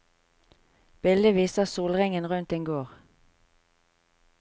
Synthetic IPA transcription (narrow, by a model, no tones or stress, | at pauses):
b̥ɪld̪əʋiːsəsuːlʁɪŋənʁʉnt̪ɛŋɡoːʁ